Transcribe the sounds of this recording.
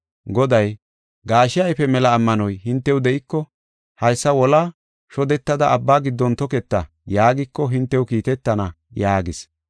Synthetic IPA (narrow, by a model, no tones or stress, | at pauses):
ɡɔd̪ɐj | ɡaːʃɪjɐjpɛmɛlɐːmːɐnɔjhɪnt̪ːɛwd̪ɛʔɪkːɔ | hɐjsːɐwɔlaː | ʃɔd̪ɛt̪ːɐd̪ɐʔːbːaːɡɪd̪ːɔnt̪ɔkɛt̪ːɐ | jaːɡɪkːɔɦɪnt̪ːɛwʊkiːt̪ɛt̪ːɐnɐ | jaːɡɪs